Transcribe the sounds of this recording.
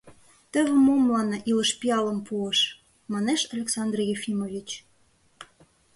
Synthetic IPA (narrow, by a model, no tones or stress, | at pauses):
t̪ə̆βə̆momlɑnɤʔiləʃpiɑləmpuəʃ | mɑneʃɑlʲeksɑnd̪rjefʲimovʲit͡ɕ